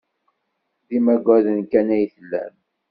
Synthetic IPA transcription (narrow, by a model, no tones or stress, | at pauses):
ðimæɡʷæðənkænæjθəlːæ̰m